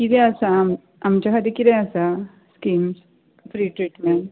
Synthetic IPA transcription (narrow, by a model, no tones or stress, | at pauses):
kit̪ɛəsam | amt͡ɕjakʰad̪ikit̪ɛəsa | skims | fɾiːʈɾiʈmeɳ